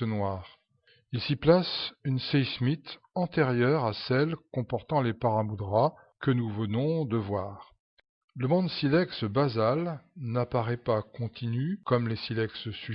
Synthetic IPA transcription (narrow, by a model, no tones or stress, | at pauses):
ənwaːʁ | ilsiplasynsɛjsmit̪ | ɑ̃t̪eʁjœʁasɛlkɔ̃pɔʁt̪ɑ̃lepaʁamud̪ʁa | kənuvənɔ̃d̪əvwaːʁ | ləmɔ̃d̪silɛksbazalnapaʁɛpakɔ̃t̪ʰinykɔmlesilɛkssy